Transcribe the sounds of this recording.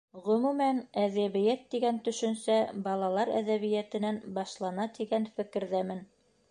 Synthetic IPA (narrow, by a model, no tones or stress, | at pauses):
ʁɵ̆mumænæðæβɘ̆jæt̪ːiɡænt̪ɵ̆ʃɵ̆nsæbɑlˠɑlˠɑɾæ̰ðæβɘ̆jæt̪ɘ̆nænbɑʃlˠɑnɑt̪iɡænfɘ̆kɘ̆ɾðæmɘn